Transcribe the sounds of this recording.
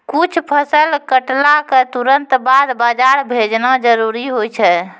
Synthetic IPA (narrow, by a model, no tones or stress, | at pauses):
kut͡ʃʰpʰəsəlkəʈlaket̪uɾənt̪bad̪bad͡ʒaɾbʱed͡ʒnad͡ʒəɾuɾiɦojt͡ʃʰɛ